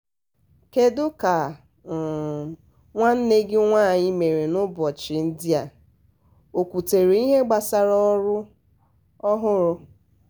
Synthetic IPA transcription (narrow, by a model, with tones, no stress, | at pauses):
ke˦dʊ˦ka˨ | ŋʷa˦n̩˦ne˦ɡɪ˦ŋʷaː˦˨ɲɪ˦me˨ɾe˨nʊ˦bɔ˨t͡ʃɪ˨n̩˦dɪ˦a˨ | o˨kʷu˨te˨ɾe˨i˦ɦe˦ɡ͡ba˨sa˦ɾɔ˦ɾʊ˦ | ɔ˦ɦʊ˦ɾʊ˦